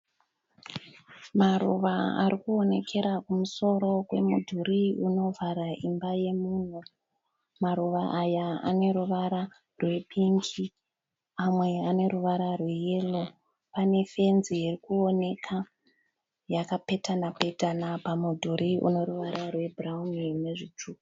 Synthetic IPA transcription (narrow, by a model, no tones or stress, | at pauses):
marṵʋaa̰ɾikuone̞kʰe̞ɾakumuso̞ɾo̞kwe̞mudʱuɾiuno̞vʱaɾaimbaje̞mun̤u | maɾuʋaʔajaa̰ne̞ɾuʋaɾa | rwe̞ɓiŋɡi | amwe̞ane̞ɾuʋaɾarwe̞je̞ːlo̞ | pane̞fe̞nzijirikuo̞ne̞kʰa | jakape̞tanapetanapamudʱuɾʔiṵne̞ɾuʋaɾarwe̞bʱraumineʐit͡ʂuku